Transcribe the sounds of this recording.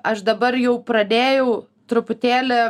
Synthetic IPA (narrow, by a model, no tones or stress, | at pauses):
ɐʃd̪ɐbɐɾjɛʊpɾɐd̪ʲeːjɛʊ | t̪ɾʊpʊt̪ʲeːlʲɛ